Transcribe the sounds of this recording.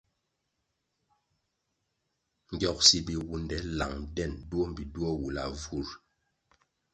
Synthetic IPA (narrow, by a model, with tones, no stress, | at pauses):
ŋ̩˨ɡjɔ˨k̚si˨bi˨wu˨ndɛ˨˦la̰˨ŋdɛ˦˨ndu˦o˦m˨bi˨du˦ɔ˦wu˨la˨vu˦˨ɾ